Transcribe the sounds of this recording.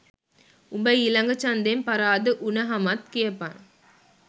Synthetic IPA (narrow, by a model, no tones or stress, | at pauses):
ʊmbɐɪɪlɐŋɡɐt͡ʃɐnd̪empɐɾaːðɯʔʊnɐɦɐmɐt̪̚kɪjɐpːan